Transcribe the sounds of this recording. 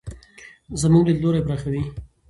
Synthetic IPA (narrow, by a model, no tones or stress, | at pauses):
zəmuɡd̪əloɾebɾaxawi